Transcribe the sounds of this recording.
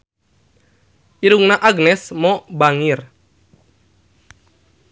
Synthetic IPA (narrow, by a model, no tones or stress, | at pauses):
ʔiɾuŋnaʔaɡnɛsmɔbaŋir